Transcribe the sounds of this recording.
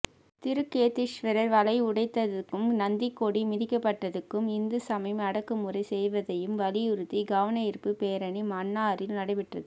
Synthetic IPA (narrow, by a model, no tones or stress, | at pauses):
t̪ɪɾɯkːeːt̪ːɪʂʋɪɾɐɾʋɐlɐɪʊɽɐɪt̪ːɐðɯkːɯmnɐnd̪ɪkːoɽimɪðɪkːɐpːɐʈːɐðɯkːɯmɪnd̪ɯsɐmɐɪmɐɽɐkːɯmɯrɐɪsɛjʋɐðɐjɯmʋɐlɪjʊɾɯt̪ːiɡaːʋɐnɐɪɾpːɯpeːɾɐɳimaːnːaːɾɪlnɐɽɐɪʋɪʈrɐðɯ